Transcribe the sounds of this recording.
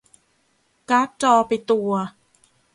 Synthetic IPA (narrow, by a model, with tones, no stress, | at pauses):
ka˦˥p̚t͡ɕɔː˧pa˧jt̪u˧ɐ